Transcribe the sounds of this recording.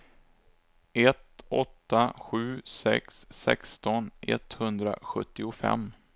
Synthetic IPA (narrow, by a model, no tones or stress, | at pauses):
ʔɛt̪ɔt̪ːaɧʉ̟ːsɛksːɛkst̪ɔnʔɛt̪hɵnd̪ɾa̰ɧɵt̪ːɪʊfɛ̰mː